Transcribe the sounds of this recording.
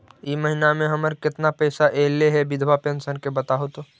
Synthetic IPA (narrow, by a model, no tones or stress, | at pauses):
imɐɦinamẽɦɐməɾkɪt̪napɛːsaʔeːleɦɛbɪd̪ʱʋapẽnsəɾkebɐt̪aɦot̪o